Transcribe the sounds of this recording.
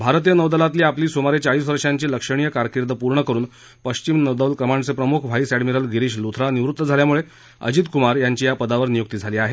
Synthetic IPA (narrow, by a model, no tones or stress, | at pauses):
bʱaɾt̪ijənəʋd̪əlat̪̬liːapliːsomaɾet͡ɕaɭiːsʋəɾʂaɲt͡ɕiːləkʂəɽ̃ijəkaɾkiɾd̪əpuɾɳəkəɾuːn | pəɕt͡ɕimnəʋd̪əlkɾəmaɳɖt͡sepɾəmukʰʋ̤ʱaisæɽmiɾəlɡʱiɾiːɕlut̪ʰɾaniʋɾut̪ːəd͡zʱaljamuɭe | ə̰d͡ʑiːt̪kumaɾjaɲt͡ɕiːjapəd̪aʋəɾnijok̚t̪iːd͡zʱaliːaɦe